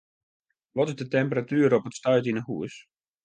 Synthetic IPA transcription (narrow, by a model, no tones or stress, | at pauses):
ʋɔtɪzdətɛmpəratyəɾəɔpətstœɥtinəhuəs